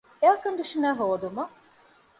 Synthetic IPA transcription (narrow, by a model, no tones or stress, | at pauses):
eɐkɐɳɖiʂinæːɦoːd̪umɐ